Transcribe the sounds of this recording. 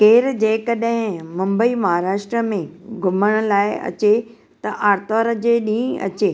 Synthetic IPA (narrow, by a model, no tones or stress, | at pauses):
keːɾd͡ʑeːkɐɗɦɪ̃mɐ̃mbəimɐɦaːɾaːʃʈɾəmẽɡʱʊməɽ̃ʊ̆laːɪɐ̰t͡ɕe | t̪ɐʔaːɾt̪aːɾəd͡ʑeːɗĩːɐ̰t͡ɕeː